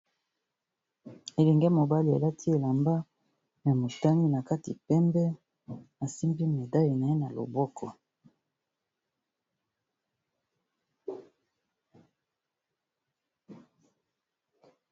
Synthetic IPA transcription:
e˨lɛ˨ŋɡɛ˦mo˨ba˦li˨a̰˨la˦tʰi˦e˨la˨mba˦ | ja˨mo˨ta˦ni˦na˨ka˦ti˨pɛ˦mbɛ˦ | a˨si˦mbi˦me˨da˦ji˨na˨e˦na˨lo̰˨bɔ˦kʰɔ˦

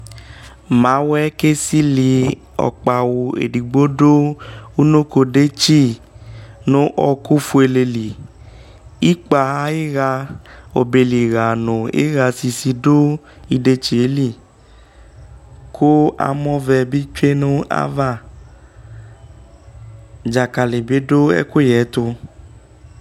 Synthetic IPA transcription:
mã˨˦wɛ˦ke˦si˦li˧ | ɔ̰˨k͡pa˨wo˨ḛ˨di˨ɡ͡bo˦do˦u˦no˦ko˧de˦t͡ʃi˦˨ | nõ˦ʔɔ˧ku˦fu˧˦e˧le˧li˨ | i˦k͡pa˨˧˦e˦ɣa˧o̰˨be˨li˨ɣa˨nõ˨ḛ˦ɣa˧si˧si˧do˦ | i˧de˧t͡ʃi˨e˦li˦˨ | kʰo˦a̰˨mɔ̃˦vɛ˧bi˦t͡ʃe˦nʊ̃˦a̰˦va˦˨ | d͡ʒa˨ka˨le˨be˦do˦ɛ̰˦ko˦jɛ˨˦t̪ʊ˧

